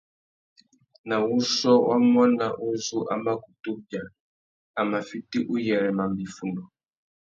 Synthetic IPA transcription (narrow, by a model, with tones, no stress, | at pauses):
na˨u˦ʃɔ˦wʔa̰˦mwa˦na˨ʔu˦zu˦ʔa˦ma˦ku˨tu˦bja˨ | a˨ma˨fi˦ti˦ʔu˦jɛ˨ɾɛ˨ma˨mbi˨fu˨nɔ˨